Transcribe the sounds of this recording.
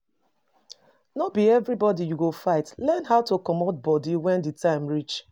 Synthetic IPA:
nɔbiɛvɾibɔdijuɡofaɪtlɛnɦaʊtokɔmɔt̚bɔdiwɛ̃nditãɪ̃mɹit͡ʃ

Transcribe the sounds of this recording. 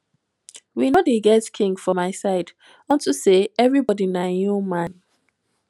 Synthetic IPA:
winodeɡɛtkʰĩŋɡfɔmaɪsaɪd | ɔ̃ntuseɛvɹibɔdinaomãn

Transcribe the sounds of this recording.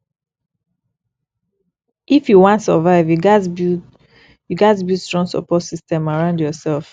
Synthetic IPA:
ʔifjuwɔ̃ntsɔvaɪvjuɡab | juɡatbjustɹɔ̃nsɔ̰pɔtsistɛ̃maɹãʊ̃ndjɔsɛlf

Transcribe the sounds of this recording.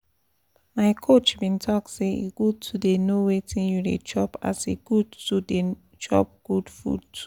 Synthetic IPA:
maɪkʰot͡ʃbĩntʰɔkseeɡ̥ud̚tʰudenowetʰĩnjudḛd͡ʒɔpa̰seɡ̥udtude | d͡ʒɔ̰p̚ɡ̥udfṵd̚tʰu̥

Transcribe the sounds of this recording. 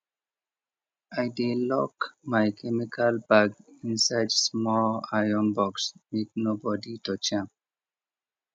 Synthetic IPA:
ajdelɔkmajkʰemikʰalbaɡĩnsajdsmɔlajɔ̃nbɔksmek̚nobɔdiʈɔt͡ʃãmp

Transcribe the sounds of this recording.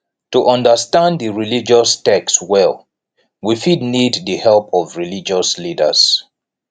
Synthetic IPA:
tuʔʌ̃ndəstãndðəɹilid͡ʒɔstɛkswɛlˠ | wifidnidðəhɛlpʰɔvɹilid͡ʒɔslidə̰s

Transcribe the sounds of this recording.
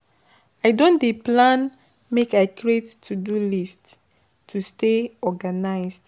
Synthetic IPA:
aɪdõndeplãn | mekaɪkɹettʰudulist | tʰːusteɔɡanaɪsd

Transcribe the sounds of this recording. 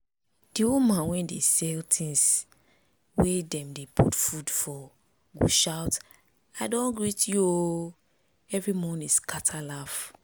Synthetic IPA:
d̥iõmãnwɛ̃ndesɛltʰĩŋs | wedɛ̃mdepṵtfudfɔ | ɡṵʃawt | aɪdɔ̃nɡɹitjuo | ɛvɹimɔ̃niskatʰalaf

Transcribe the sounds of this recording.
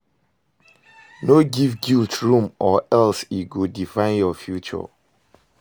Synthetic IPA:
noɡivɡiltɹũmɔʔɛlsiɡudifãɪ̃njɔfjut͡ʃɔ̰

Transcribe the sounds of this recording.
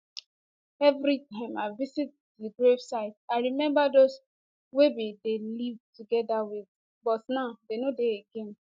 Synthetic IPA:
ɛvɾitãɪ̃maɪvisit̚diɡɾevsaɪtaɪɾimɛ̃mbados | webidelivtuɡɛdawið | bɔtnaʊdenodeeɡẽn

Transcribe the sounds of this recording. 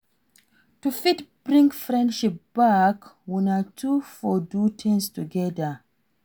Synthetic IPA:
tufitb̥ɹĩŋɡfɹɛ̃ndʃip̚b̥akwinatʰufɔdutʰĩŋstuɡɛdə

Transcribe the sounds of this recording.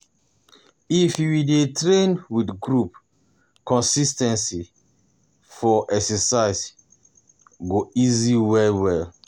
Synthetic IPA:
ifjuwidetɹẽnwidɡɹup̚ | kɔ̃nsistɛ̃nsi | fɔʔɛksɛsaɪs | ɡoiziwɛwɛl

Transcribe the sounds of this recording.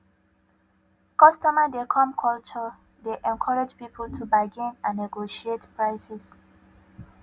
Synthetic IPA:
kɔstɔmadekʰɔ̃mkʰɔlt͡ʃɔ | deʔɛ̃nkʰɔɹɛd͡ʒpipʰoltʰubaɡĩnãnːeɡoʃietpɹaɪsɛs

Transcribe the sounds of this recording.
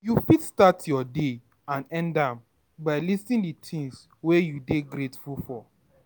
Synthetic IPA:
jufitstatʰjɔde | ãnɛ̃ndãm | baɪlistĩnditʰĩŋs | wejudeɡɾetfulfɔ

